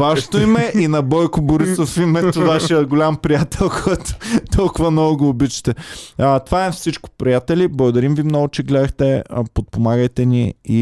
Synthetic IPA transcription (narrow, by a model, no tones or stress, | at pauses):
vaʃo̥t̪oimɛʔinɐbɔjkʊboɾisofimɛt̪ʊvaʃijət̪ɡolʲampɾijat̪ʰɛlˠkʰɔjt̪o̥t̪ʰɔlˠkʊvɐnɔɡʊɡoːbit͡ʃɛ̥t̪ɛət̪ovaɛfsit͡ʃkʊ̥pɾijat̪ɛliblˠɐɡʊd̪ɐɾimvimnɔɡʊt͡ʃɛɡlɛd̪əxt̪ɛ̰pot̪̚pomaɡəjt̪ɛnḭi